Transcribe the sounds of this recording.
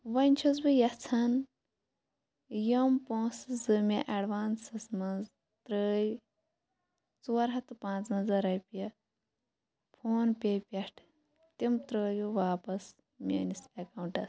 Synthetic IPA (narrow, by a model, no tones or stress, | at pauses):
ʋɐnʲt͡ʃʰɐzbɨjɐt͡sʰɐn | jɐmpõːszɨmʲḛʔɐɖʋaːnsɐsmɐnz | t̪ɾəːj | t͡suɐɾɦɐt̪ɨpãːnt͡snɐzɐɾɐjpʲiɐ | pʰoːnpʲepʲɐʈʰ | t̪imt̪ɾəːjuʋaːpɐs | mʲḛːnisekɐwɳʈɐs